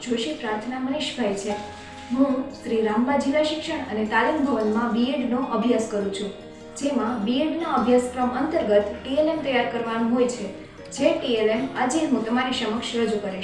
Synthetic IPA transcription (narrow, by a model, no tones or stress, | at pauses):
d͡ʒoʃipɾaɾt̪ʰənaməneʃbʱajt͡ʃʰe | ɦũʃɾiɾambad͡ʒiʋaʃɪkʃəɳ̃ənet̪alimbʱəʋənmãbiɖnoʔəbʱjaskəɾũt͡ʃʰũ | d͡ʒemãbiɖnoəbʱjasfɾəmənt̪əɾɡət̪ʈielemt̪əjaɾkəɾʋanõɦojt͡ʃʰe | d͡ʒeʈielemad͡ʒeɦũt̪əmaniʃəməkʃɾəd͡ʒukəɾeʃ